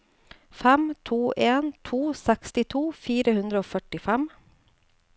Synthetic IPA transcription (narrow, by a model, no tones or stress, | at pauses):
fɛmt̪ʰuːʔeːnt̪ʰuːsɛkst̪ɪt̪ʰuːfiːɾəhʉnd̪ɾəoːfœʈɪfɛm